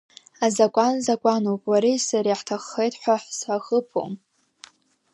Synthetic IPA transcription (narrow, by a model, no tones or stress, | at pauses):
azakʷʼanzakʷʼanopʼwaɾisaɾiħtʰaχːejtʰʼħʷaħsaxəpʰo̰m